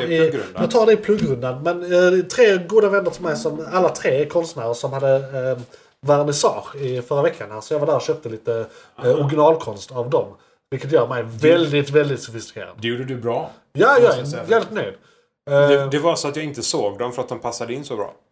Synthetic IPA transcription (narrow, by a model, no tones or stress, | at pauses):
ɪɡɾɵdd̪jɑɡt̪ʰɑːɖɛɪpʰlɵɡːɾɵnd̪anmɛnt̪ʰɾeːɡuːd̪avɛnːəʈʰɪlmɛjsɔmalːat̪ʰɾeːkʰɔnst̪mæːɾəsɔmhad̪ːə | væɾnɪsɑːɾɪfœɾavɛkʰːanhæːɾsɔjɑːɡvaɖ̪æːɾɔɕøːp̚t̪əliːt̪əɔɾɡɪnɑːlkʰɔnst̪avd̪ɔm | vɪlkːət̪jœːɾmɛjvɛld̪ɪt̪vɛld̪ɪt̪sɵfɪst̪ɪ̥kʰḛːɾa̰nd̪d̪ɛjuːɖəd̪ɵbɾɑː | jɑːjɑvɛlɪt̪nœʏd̪ | d̪ɛvasɔat̪jɑɪnt̪əsoːɡd̪ɔmfœɾat̪̚d̪ɔmpʰasːad̪əɪnsɔbɾɑ̰ː